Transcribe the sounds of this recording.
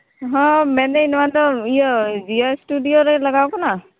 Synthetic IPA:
ɦɔ̃mɛnɛinɔantɔijɔziastudijoɾɛlaɡawkɔna

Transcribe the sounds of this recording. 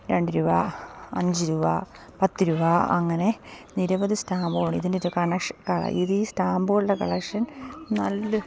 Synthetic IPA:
ɾeɳɖiɾubaːɐ̰ɲd͡ʑiɾuba̰ː | pɐt̪ːiɾubaːɐ̰ŋːɐne̞niɾɐbɐðɨsʈaːmboːɳːiðindeɾukɐɳɐkʂkɐɭɐ̰ʔiðiːsʈaːmboːɭːɐkɐɭɐkʂɐnnɐlːɨ

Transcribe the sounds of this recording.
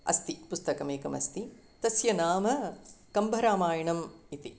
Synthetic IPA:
ɐ̰st̪ipust̪ɐkɐmeːkɐmɐ̰st̪i | t̪ɐsjɐnaːmɐkɐmbʱɐɾaːmaːjɐɳɐmit̪i

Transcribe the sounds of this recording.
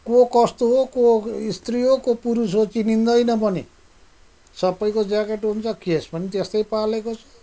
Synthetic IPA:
kokʌst̪oɦokoist̪riɦokopuɾusɦot͡sinind̪ʌjnʌbʱʌni | sʌbːʌjkod͡zakeʈɦunt͡sʰʌkesbʌnit̪est̪ʌjpalekot͡sʰʌ̥

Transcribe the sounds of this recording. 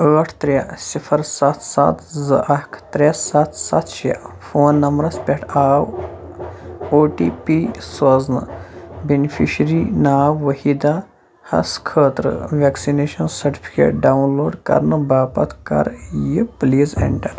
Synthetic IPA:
əʈʰt̪ɾʲjasifʰɐɾsat̪ʰsa̰t̪zɐʔɐkʰt̪ɾʲesat̪sa̰t̪ʃja̰foːnːɐmbɾɐspʲeʈʰaːw | oːʈipisɐznɐ̰benifiʃɾinaːwːɐhid̪a | hɐ̰skʰəːt̪ɾə̰ʋeksineːʃɐnsɐɾʈi̥fi̥kḛːʈ̚ɖawnloːɖkɐ̰ɾnɨbaːpɐt̪kɐ̰ɾjipliːzḛɳʈɐɾ

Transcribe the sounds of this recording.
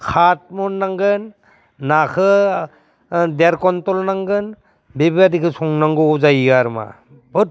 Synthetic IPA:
kʰat̚mɔnːaŋɡɯnː | akʰɯ | deɾkɔntɔlnaŋɡɯn | bebadikʰɯsʰɔŋnaŋɡɯːzajiɡaɾma̰ | bɯt̚

